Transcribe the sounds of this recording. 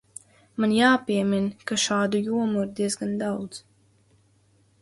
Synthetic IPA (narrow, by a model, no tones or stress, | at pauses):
manjaːpʲiɛminkaʃaːd̪ujuɔmuiɾd̪izɡand̪awd̪z